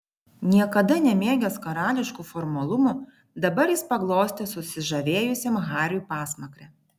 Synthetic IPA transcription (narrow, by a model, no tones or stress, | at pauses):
nʲiɛkɐd̪ɐnʲɛmʲeːɡʲɛskɐɾɑːlʲɪʃkuːfɔɾmɐlˠʊmuˑ | d̪ɐbɐɾjɪspɐɡlˠoːsʲt̪ʲɛsʊsʲɪʒɐʋʲeːjʊsʲemɣɑːɾʲuːˑpɑːsmɐkɾʲɛ